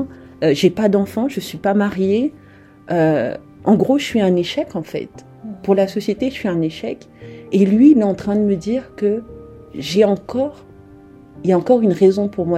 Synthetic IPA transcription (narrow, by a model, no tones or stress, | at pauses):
øʒepad̪ɑ̃fɑ̃ʒəsɥipamaʁje | ø | ʔɑ̃ɡʁoʃəsɥiɛ̃neʃɛkɑ̃fɛ̰t̪ | puʁlasɔsjet̪eʃsɥiɛ̃neʃɛk | elɥiːlɛɑ̃t̪χɛ̃d̪əməd̪iːʁkə | ʒeɑ̃kɔʁ | iljaɑ̃kɔʁynʁezɔ̃puʁmwa